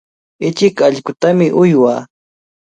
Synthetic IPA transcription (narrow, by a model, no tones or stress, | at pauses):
ɪt͡ʃɪkaʎkʊt̪amɪʔʊjwaː